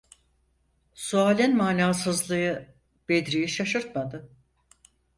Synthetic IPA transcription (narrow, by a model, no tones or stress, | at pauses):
suaːlʲɛnmaːnaːsɯzlˠɯjɯ | b̥ed̪ɾijiʃaʃɯɾt̪mad̪ɯ